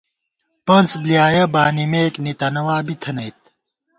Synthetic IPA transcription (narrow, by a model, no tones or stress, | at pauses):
pɐnt͡sblijaːjɐbaːnimeːknit̪ɐnɐwaːbit̪ʰɐnɐjt̪̚